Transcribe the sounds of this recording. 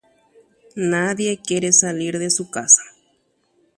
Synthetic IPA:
naðjekjeɾesaliɾðesukasḁ

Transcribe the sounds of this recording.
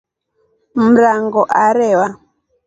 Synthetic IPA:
m̩ɾaŋɡɔʔaɾɛwa

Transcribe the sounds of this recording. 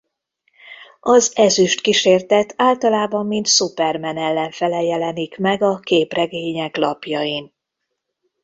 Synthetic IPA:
ɒzɛzyʃt̪kiʃeːrt̪ɛt̪ʰaːlt̪ɒlaːbɒmːint̪supɛrmɛnɛlːɛɱfɛlɛjɛlɛnikmɛɡɒkeːprɛɡeːɲɛklɒpjɒjin

